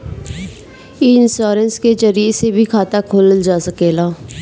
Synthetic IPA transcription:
iːɪnsoːɾənsked͡ʒəɾiesebʱikʰaːt̪akʰoːlld͡ʒaːsəkeːlaː

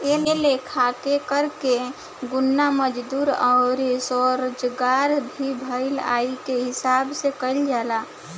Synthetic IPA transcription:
elelekʰakekəɾke | ɡʊnːaməd͡ʒd̪uɾaɾisɔɾd͡ʒɡaɾbʱibʱəɪla̰ikeɦɪsabsekəɪld͡ʒaːla

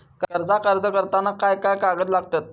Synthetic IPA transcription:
kkəɾd͡zakəɾd͡zəkəɾt̪anakajkajkaɡət̪̬laɡ̚t̪at̪̚

